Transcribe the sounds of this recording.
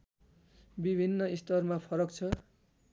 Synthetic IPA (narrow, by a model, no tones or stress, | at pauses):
bibʱinːʌist̪ʌrmapʰʌɾʌk̚t͡sʰʌ